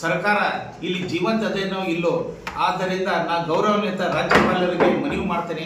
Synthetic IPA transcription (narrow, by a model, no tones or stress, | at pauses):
sɐɾkaːɾɐ | ilːid͡ʒiːʋɐnt̪ɐd̪enoːilːoaːd̪ːɐɾind̪ɐnaːɡɐwɾɐʋɐnɐt̪ɐɾaːd͡ʒjɐpɐlɐɾiɡemɐnejumaːɽt̪eːne